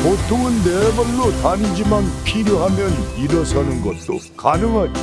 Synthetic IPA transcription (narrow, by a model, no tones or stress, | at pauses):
potʰoŋɯnːebʌnːotaɲid͡ʑimanpʰiɾjoɦamjʌniɾʌsʰʌnɯnɡʌt̚t͈o̰ | kanɯŋɦad͡ʑʌ